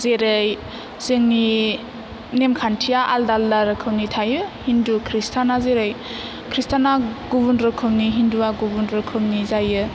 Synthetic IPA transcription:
zeɾɯj | z̥ɯŋni | nemkʰantʰijaʔaldaldaɾɯkʰɯwnitʰajɯhindukʰɾistʰanazeɾɯj | kʰɾistʰanaɡubundɾɯkʰɯwniɦinduwaɡubundɾɯkʰɯwnizajɯ

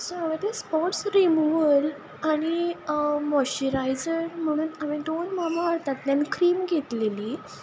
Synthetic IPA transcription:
soaʋət̪ɛspɔʈsɾimuʋəl | aɽ̃i | mɔɕiɾajd͡zəɾm̤əɽ̃uːnaʋĩd̪onmamaɦaɾt̪at̪ljanikʰɾiːmɡʱet̪leliː

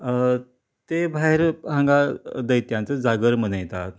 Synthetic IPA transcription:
t̪ebʱaɦeɾɦãŋɡad̪əjt̪jant͡səd͡zaɡəɾmənəjt̪at̪̚

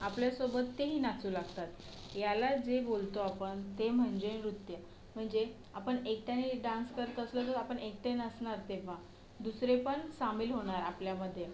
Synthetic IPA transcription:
apljasobət̪ːeɦiːnat͡suːlaɡt̪at̪ | jalad͡zebolt̪oapəɳt̪em̤əɳd͡ʑeɾut̪jə | m̤əɳd͡ze | apəɳek̚ʈaniɖãnskəɾt̪əslət̪əɾapəɳek̚ʈenəsɳaɾt̪eʋa | d̪usɾepəɳsamiːlɦoɽ̃aɾapljaməd̪ʱːje

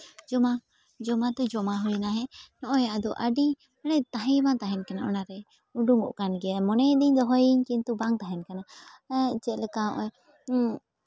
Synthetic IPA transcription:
d͡ʒɔma | d͡ʒɔmad̪ɔd͡ʒɔmaɦujnaɦɛnɔʔɔjaʔd̪ɔʔaɖi | anɛt̪aɦɛjmat̪aɦɛnkanaʔɔnaɾɛ | uɖuŋɡɔ̰ʔkanɡɛjamɔnɛd̪iɲd̪ɔɦɔjiɲkint̪ubaŋt̪aɦɛnkana | t͡ʃɛlɛkaʔɔ

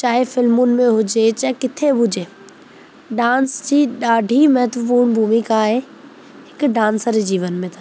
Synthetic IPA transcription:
t͡ɕaːɦefɪlmʊnɪ̆mẽɦʊd͡ʑet͡ɕaːɦkɪt̪ʰebʱʊd͡ʑeː | ɖãːnsd͡ʑiːɗaːɖʱimɐɦt̪ʋəp̬uːɾɳbʱuːmikaɦe | ɦɪkɖãːnsəɾed͡ʑiːʋənmẽt̪ʰa

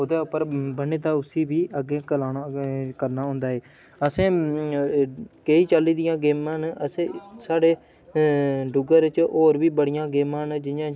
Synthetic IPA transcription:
od̪eːʊpːəɾbəneːt̪aːʊsiːbiːʔəɡeːkəlaːnakəɾnaːɦʊ̃ːnd̪aːɦeː | əsẽː | keiːt͡ʃəlːiːd̪ɪjãːɡeːmãːnəsẽːsaːɖeː | ɖʊɡəɾɪt͡ʃoːɾbiːbəɽɪjãːɡeːmãːnd͡ʒɪjãː

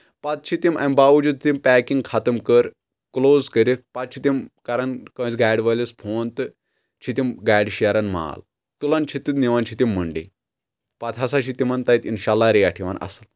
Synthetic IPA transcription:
pat̪̚t͡ʃʰit̪imʔa̰mbaʋud͡ʑut̪̚t̪impækiŋɡkʰat̪əmkəɾ | klozkəɾipat̪̚t͡ʃʰit̪imkaɾankə̃t͡sɡajɽʋəlespʰoːnt̪ɨ | t͡ʃʰit̪imɡajɽɕijaɾanma̰l | t̪ulant͡ʃʰit̪ːit̪niʋant͡ʃʰit̪imːəɳɖḭ | pat̪ʰɦasaɕʰit̪imant̪ajit̪inɕalːaɾeaʈʰiʋa̰nʔɐ̰sal

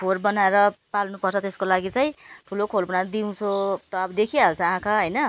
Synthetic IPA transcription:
pʰorbʌnaeɾʌpalnupʌrt͡sʰʌt̪eskolaɡit͡saj̃ʈʰulokʰolbʌnad̪iũt͡sʰot̪ʌʌbʌd̪ekʰiɦalt͡sʰʌ̃ãkʰaɦʌjnʌ

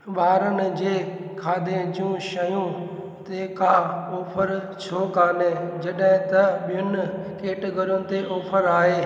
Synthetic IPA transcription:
ɓaːɾənɪ̆d͡ʑeːkʰaːd̪ẽd͡ʒũʃɐjũ | t̪eːkaːoːpʰəɾ | t͡ʃʰoːkaːneːd͡ʑɐɗɦɪ̃t̪ɐɓɪjʊn | keːʈɡʱəɾʊnɪ̆t̪eʔoːpʰəɾaːɦeː

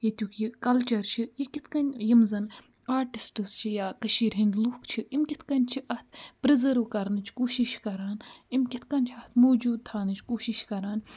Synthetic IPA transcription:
jit̪ʲukjikɐlt͡ʃɐɾt͡ʃʰijikit̪ʰkɐnʲjimzɐn | aːɾʈisʈɨst͡ʃʰijaːkɐʃiːɾɦind̪lukt͡ʃʰiʔimkʲit̪ʰkɐnʲt͡ʃʰiʔɐt̪̚ʰpɾizɐɾʋkɐɾnɨt͡ʃʰkoːʃiʃkɐɾaːnimkʲit̪ʰkɐnʲt͡ʃʰɐt̪ʰmoːd͡ʒuːd̪̚t̪ʰaːnɨt͡ʃʰkoːʃiʃkɐɾaːn

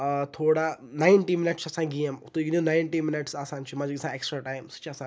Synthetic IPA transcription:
t̪ʰoːɽanaɪɳʈimɪnɪʈt͡ʃʰɐsãɡijɐmt̪uɡininaɪɳʈimɪnɪʈsaːsaːnt͡ʃʰimɐd͡ʒɡisãeːksʈɾaːʈaːjmst͡ʃʰiɐsãː

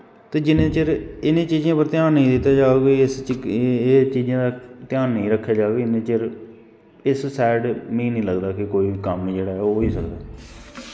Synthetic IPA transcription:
t̪eːd͡ʒɪnẽːt͡ʃəɾɪnẽːt͡ʃiːzjãːpəɾt̪ɪjaːnːəĩːd̪ɪt̪ːaːd͡ʒaːɡeɪs | eːt͡ʃiːd͡ʒãːd̪aːt̪ɪjaːnːəĩːɾəkʰːjaːd͡ʒaːɡneːt͡ʃəɾ | ɪssɛːɖmĩːnĩːləɡd̪aːkɪkoːiːkəmnĩːd͡ʒeːɽaːɦɛːoːiːsəkd̪aː

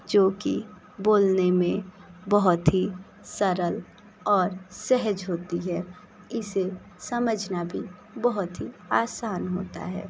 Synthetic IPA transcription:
d͡ʒoːkḭ | boːlnemẽbəɦʊt̪ɦi | səɾəl | ɔːɾsɛɦəd͡ʒɦoːt̪iɦɛ | ɪse | sɐməd͡ʒʱnabʱi | bəɦʊt̪ɦiaːsaːnɦo̰ːt̪a̰ɦɛ̰ː

